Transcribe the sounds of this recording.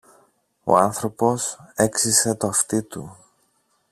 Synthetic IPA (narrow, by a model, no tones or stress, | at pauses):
o̞̰ɐnθɾo̞po̞se̞ksise̞t̪o̞ɐft̪it̪u